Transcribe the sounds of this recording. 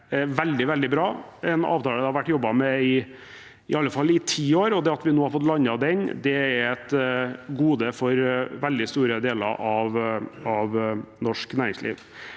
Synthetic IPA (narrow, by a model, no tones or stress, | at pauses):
ʋɛld̪ɪʋɛld̪ɪbɾɑːɛnɑ̰ːʋt̪ʰɑːləd̪ɛhɑɾʋæʈːjɔbːɑmɛɪ | ɪɑlːəfɑlːɪt̪ʰiːoːɾɔd̪ɛɑt̪ʋɪnoːhɑɾfɔt̪lɑnːɑd̪ɛɲd̪ɛɛɾɛt̪ɡuːd̪əfɔɾʋɛld̪ɪst̪uːɾəd̪eːlə̰ɾʔɑʋɑʋnɔʂknæːɾɪŋslḭːʋ